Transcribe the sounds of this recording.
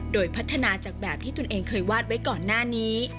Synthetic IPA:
doː˧jpʰa˦˥t̪ʰːa˧naː˧t͡ɕaː˨˩k̚bɛː˨˩p̚t̪ʰiː˥˩t̪u˧nʔeː˧ŋkʰɤː˧jwaː˥˩t̪̚wa˦˥jkɔː˨˩nːaː˥˩niː˦˥

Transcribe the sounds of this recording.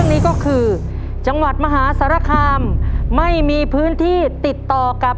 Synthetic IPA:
əŋniː˦˥kɔː˥˩kʰɯː˧ | t͡ɕa˧ŋwa˨˩t̪̚ma˧ɦaː˩˦˥sa˩˦ɾa˧˥˩kʰaː˧mːa˥˩jmiː˧pʰɯː˦˥nt̪ʰiː˥˩t̪i˨˩t̪ːɔː˨˩ka˨˩p̚

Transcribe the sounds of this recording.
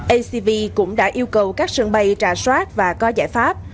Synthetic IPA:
ʔə˧si˧vi˧kʊ̰˧˥ŋ͡mɗa̰ː˧˥ʔi˧əwkə˨˩wkaː˦˥k̚sɨ̰˧˩ŋɓə˨˩jt͡ɕaː˨˩jswaː˦˥t̚vaː˨˩kɔ˨˦zaː˧˩jfaː˦˥p̚

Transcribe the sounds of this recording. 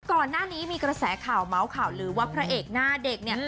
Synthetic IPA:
kɔː˨˩nːaː˥˩niː˦˥miː˧kɾa˧sɛː˩˦kʰaː˨˩wma˩˦wkʰaː˨˩wɾɯː˩˦wa˦˧˥pʰɾa˦˥ʔeː˨˩k̚naː˥˩de˨˩k̚ni˥˩

